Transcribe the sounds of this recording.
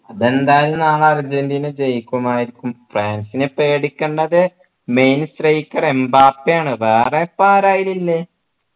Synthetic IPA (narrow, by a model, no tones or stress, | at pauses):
ɐðe̞nd̪aːjlumnaːɭɐrid͡ʑend̪ijnɨd͡ʑejkʲːuɐmaːjiɾikʲːumfraːnsinepe̞ːɽikʲːeɳɖɐðɨ | mejnstrejikʲːɐrembaːpːjaːɳɨʋeːrepːaːɾaːjililːe